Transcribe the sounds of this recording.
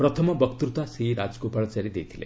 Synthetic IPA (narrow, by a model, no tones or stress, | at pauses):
pɾʌt̪ʰʌmɔbʌkt̪uɾut̪asɾiɾad͡zkopaɭat͡saɾid̪ejt̪ʰilḛ